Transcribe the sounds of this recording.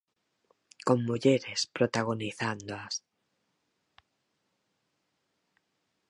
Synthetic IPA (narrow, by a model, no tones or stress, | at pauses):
koŋmuʎeɾespɾot̪aɣ̞oniθand̪oas